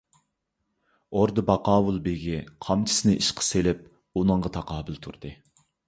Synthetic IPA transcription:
oɾd̪ɨbɑqɑːwulˠbeɡʲiqʰɑmt͡ʃʰi̥sɨnɨʔiʃqʰə̥selɪp̚ | unɨɴʁɑt̪ʰɑqɑːbɪlˠt̪ʰuɾd̪̥ɨ

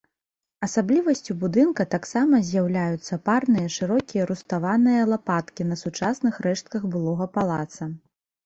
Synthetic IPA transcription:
ɐsablʲivɐsʲt͡sʲubud̪ɨnkɐt̪aksamɐzʲjawlʲajut̪sːɐparnɨjɐʂɨɾɔkʲijɐɾust̪avanɨjɐlˠapat̪kʲinɐsut͡ʂasnɨxɾɛʂt̪̚kɐɣbɨlˠɔɣɐpalˠat̪sɐ

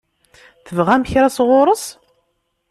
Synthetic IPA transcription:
θəvʁæmçɾæsʁʊɾˤəs

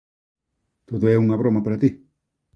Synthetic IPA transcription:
t̪oðoɛuŋaβɾomapaɾat̪i

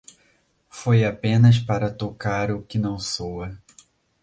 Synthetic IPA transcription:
fojapẽnɐs̬paɾɐt̪okaɾʊkɪnɐ̃w̃sowɐ

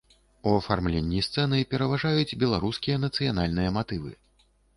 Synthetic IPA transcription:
uɐfarmlʲenʲːist̪sɛnɨpʲɛɾɐvaʐajut͡sʲbʲɛlˠaɾuskʲijɐnɐt̪sɨjanalʲnɨjɐmat̪ɨvɨ̰

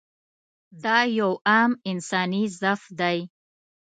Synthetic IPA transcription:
d̪ɑjawamɪnsɑnizafd̪aj

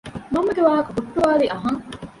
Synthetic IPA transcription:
mɐmːɐɡeʋaːɦɐkubuʈːuʋaːliʔɐɦɐŋ

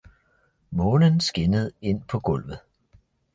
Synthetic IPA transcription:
mɔ̽ːnənsɡ̥e̝nəð̞̩ˠe̝n̰pʰɒ̽ɡ̥ɔ̽l̰ʋð̩ˠ

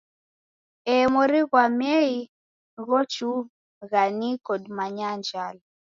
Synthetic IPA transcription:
ɛmɔɾiɣwamɛi | ɣɔt͡ʃu | ɣanikɔdmaɲand͡ʒal

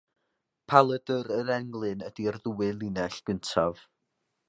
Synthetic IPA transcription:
pʰalˠədəɾəɾɛŋlˠɨnədiərðuwɨlˠinɛɬɡ̥əntʰav

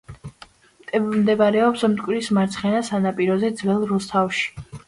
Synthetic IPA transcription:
mt̪ʼɛmd̪ɛbaɾɛɔpsmt̪ʼkʼwɾismaɾt̪sʰχɛnasanapʼiɾɔzɛd̪zvɛlˠɾust̪ʰafʃi̥

